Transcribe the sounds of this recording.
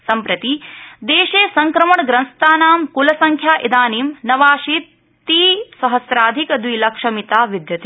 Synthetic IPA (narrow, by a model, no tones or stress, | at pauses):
sɐmpɾɐt̪id̪eːʃeːsɐŋkɾɐmɐɳɡɾɐnst̪aːnaːmkulɐsɐŋkʰjaːʔid̪aːniːmnɐʋaːʃiːt̪ː | iːsɐɦɐsɾaːd̪ʱikɐd̪ʋilɐkʂɐmit̪aːʋid̪jɐt̪i